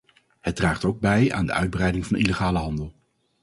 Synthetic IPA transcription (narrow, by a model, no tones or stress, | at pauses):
hədraːχtowɡ̚bɛja̰ːndə̰ʔœɥd̚brɛjdɪŋvɑniləχaːləɦɑndəlˠ